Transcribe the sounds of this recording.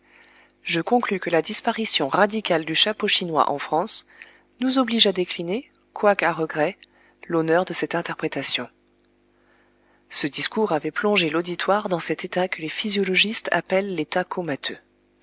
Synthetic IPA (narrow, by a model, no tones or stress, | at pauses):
ʒəkɔ̃klykəlad̪ispaʁisjɔ̃ʁad̪ikʲald̪yʃapoʃinwa̰ʔɑ̃fχɑ̃s | nuzɔbliʒad̪ekline | kwakaʁəɡʁɛ | lonœʁd̪əsɛt̪ɛ̃t̪ɛʁpχet̪asjɔ̃ | səd̪iskuʁavɛplɔ̃ʒelod̪it̪waʁd̪ɑ̃sɛt̪et̪akəlefizjɔlɔʒist̪a̰pɛlːet̪akʰomat̪ʰø